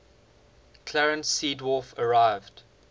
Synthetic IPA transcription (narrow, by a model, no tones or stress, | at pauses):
kʰl̥ɛɹə̃nsːiːdwɔfəɹaɪvd̥